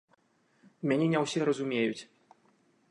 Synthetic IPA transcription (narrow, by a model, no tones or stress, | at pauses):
mʲanʲɛnʲɛwsʲɛɾɐzumʲejut͡sʲ